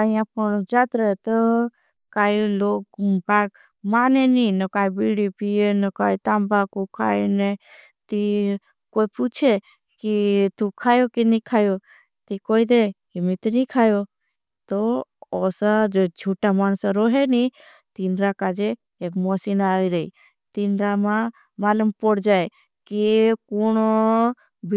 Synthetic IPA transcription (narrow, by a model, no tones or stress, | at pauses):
aiãpəɳd͡ʒat̪ɾəet̪ɔ | kailoːɡpak | maːneninəkaːibiɽipienəkaːit̪ãːmbakukʰaːjne | t̪i | koiput͡ʃʰe | kit̪ukʰaːjokinikʰaːjo | t̪ikoid̪ekimit̪nikʰajo | t̪oɔsad͡ʒod͡ʒʱuʈamañsaɾɔɦeni | t̪inɾakad͡ʒeː | kmɔsinaiɾəḭ | t̪inɾamã | maləmpɔɽd͡ʒae | kikoño | b